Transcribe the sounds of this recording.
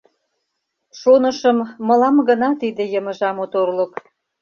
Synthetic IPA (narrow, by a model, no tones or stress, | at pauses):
ʃonəʃəmːəlɑmɡənɑt̪id̪ĕjəməʒɑmot̪orlək